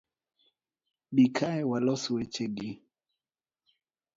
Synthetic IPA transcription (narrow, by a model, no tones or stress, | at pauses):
bikʰaɛwalɔsuwɛt͡ʃɛɡi